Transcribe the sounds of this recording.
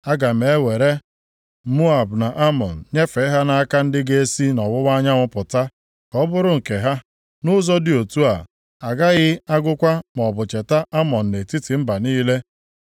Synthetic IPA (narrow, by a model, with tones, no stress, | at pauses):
a˦ɡa˨m̩e˨˦we˨ɾe˦ | mu˦a˨bna˨ʔa˦mɔ̰˨n̩˨ɲe˦fe˨˦ɦa˦na˦a˦ka˦n̩˦dɪ˦ɡe˦e˦si˦nɔ˨wʊ˦wa˦ɲa˦ŋʷʊ˦pʊ˨ta˦ | kɔ˦bʊ˦ɾʊ˦ŋ̩˨ke˨ɦa˦ | nʊ˦zɔ˦dɪ˦o˨tu˦a̰˨ | a˨ɡa˦ɣɪ˦a˦ɡʊ˦kʷa˦m˨ɔ˨bʊ˨t͡ʃe˨ta˦ʔa˦mɔ˨n̩˨ne˨ti˦tɪ˨m̩˦ba˨niː˦le˦